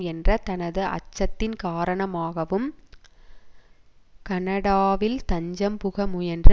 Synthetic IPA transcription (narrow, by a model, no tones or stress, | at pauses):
ɛndrɐt̪ɐnɐðɯʔɐ̰t͡ʃːɐt̪ːɪnkaːɾɐɳɐmaːɣɐʋɯm | kɐnɐɽaːʋɪlt̪ɐɲd͡ʒɐmpʊɣɐmɯjɛndrɯ